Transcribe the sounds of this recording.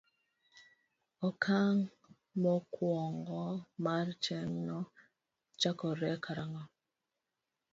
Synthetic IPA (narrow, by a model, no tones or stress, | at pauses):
ɔkʰaŋ | mɔkwɔŋɡɔmaɾt͡ʃɛŋnɔ | t͡ʃakɔɾɛkʰaɾaŋɔ